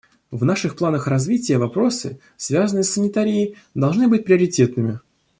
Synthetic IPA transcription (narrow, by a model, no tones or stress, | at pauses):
vnaʂɨxplˠanəxrɐzvʲitʲɪjəvɐpɾo̞sɨ̰ | svʲazənɨjəsːənʲɪt̪aɾʲɪɪ | d̪ɐlˠʐnɨbɨt̚ʲpɾʲɪɐɾʲɪtʲe̞t̪nɨmʲɪ